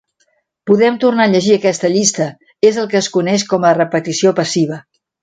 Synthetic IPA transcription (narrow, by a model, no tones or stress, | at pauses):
puðɛmt̪urnaʎəʒiəkɛst̪əʎist̪ə | ezəlˠkəːskunɛʃ̬kɔmərəpət̪isiopəsiβ̞ə